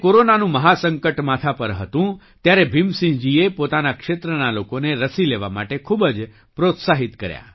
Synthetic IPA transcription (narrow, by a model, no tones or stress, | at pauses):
koɾonanũməɦasəŋkəʈmat̪ʰapəɾɦət̪ũ | t̪jaɾebʱimsĩɦd͡ʒiepot̪anakʃet̪ɾənalokoneɾəsileʋama̰ʈekʰubəd͡ʒ | pɾot̪saɦit̪kəɾja̰